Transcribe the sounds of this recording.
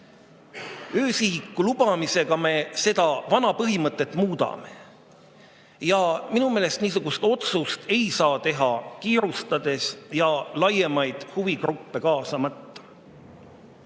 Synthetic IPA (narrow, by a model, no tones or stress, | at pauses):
øːsiɦikːˑulub̥ɑmise̞ɡ̥ɑme̞se̞d̪̥ɑvɑnɑpɤɦimɤt̪ːˑe̞t̪ːˑmuːd̪̥ɑ̰me | jɑminumeːle̞st̪niːs̬uɡ̥ust̪o̞t̪sust̪e̞jsɑːt̪e̞ɦɑkiːɾust̪ɑd̪̥e̞sjɑlɑje̞mɑjd̪̥huvikrupːe̞kɑːsɑmɑt̪ːɑ̥